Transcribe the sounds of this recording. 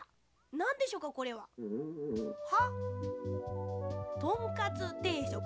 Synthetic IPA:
nãnd̪eɕo̞ːkako̞ɾe̞βa | ha | t̪oŋkat͡sɨt̪eːit̪o

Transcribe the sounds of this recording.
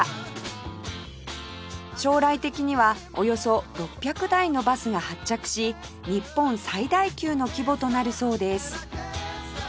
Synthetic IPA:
ɕo̞ːɾait̪e̞kʲiɲ̟iβa | o̞jo̞so̞ɾo̞pʲːjakɯ̟d̪aino̞basɨɡahat͡ɕːakɯ̟̥ɕi | ɲ̟ipːõ̞ñsaid̪aikʲɨːno̞kʲibo̞t̪o̞naɾɯ̟so̞ːd̪e̞sɨ̥

